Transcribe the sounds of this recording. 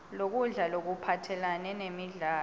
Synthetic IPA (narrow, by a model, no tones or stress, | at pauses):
lok̬uɮalok̬upʰatʰɛlanɛnemiɮaː